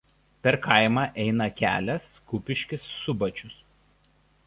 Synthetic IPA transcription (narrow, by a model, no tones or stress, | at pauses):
pʲɛɾkʰɐɪmɑːʔɛɪnɐkʲæ̰ːlʲɛskʊpʲɪʃʲkʲɪsːʊbɐt͡ʃʲʊs